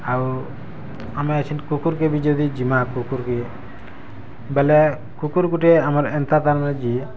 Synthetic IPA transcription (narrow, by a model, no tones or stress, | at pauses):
aw | amɛt͡ʃʰinkukuɾkɛbid͡ʒɔd̪id͡ʒimakukuɾkɛ | bɛlɛ | kukuɾkuʈɛamaɾɛnt̪at̪aɾnad͡ʒi